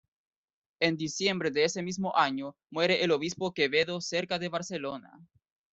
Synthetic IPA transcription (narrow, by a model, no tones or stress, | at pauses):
e̞nd̪isje̞mbɾe̞ðeese̞mizmoʔaɲomwe̞ɾe̞ʔeloβispo̞ke̞βe̞ðo̞se̞ɾkaðe̞βaɾse̞lona̰